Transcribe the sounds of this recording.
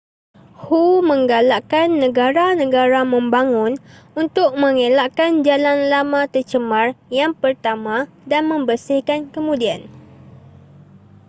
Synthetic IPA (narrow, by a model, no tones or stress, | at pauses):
humə̃ŋɡalaʔkanːə̃ɡaɾanə̃ɡaɾamə̃mbaŋʊn | unt̪ʊk̚mə̃ŋelaʔkand͡ʒalanlamãt̪ərt͡ʃəmarjaŋpərt̪amã | danmə̃mbərsɪhkankəmũdian